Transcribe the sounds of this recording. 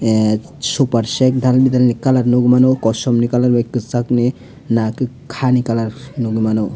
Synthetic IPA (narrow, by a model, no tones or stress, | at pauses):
supaɾsɛkd̪ʱalbid̪ʱalnikalaɾnuɡmanokɔsɔmnikalaɾbakːɯt͡sakne | naki | kʰanikalaɾnuɡmano